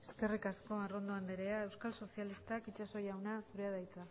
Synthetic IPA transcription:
eske̞rikasko̞aro̞nd̪o̞and̪eɾe̞ae̞wskalso̞sjalist̪akit͡ʃaso̞jawnasuɾeaðajt͡s̪a

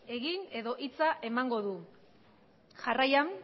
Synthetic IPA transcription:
e̞ɣine̞ðo̞ʔit͡saʔe̞maŋɡo̞ðu | ʝarajam

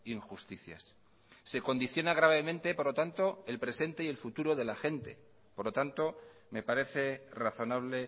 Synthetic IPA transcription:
iŋxust̪iθja̰sː | e̞ko̞nd̪iθjo̞naɣ̞ɾaβe̞mẽ̞nt̪e̞po̞ɾlo̞t̪ant̪o̞e̞lpɾe̞se̞nt̪eie̞lfut̪uɾo̞ðe̞laxe̞nt̪e̞̰ | poɾlo̞t̪ant̪o̞ | me̞paɾe̞θe̞raθo̞naβ̞le̞

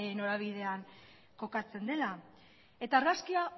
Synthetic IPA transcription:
no̞ɾaβ̞iðe̞aŋ | ko̞kat͡se̞nd̪e̞la | e̞t̪aːɾɣaskia

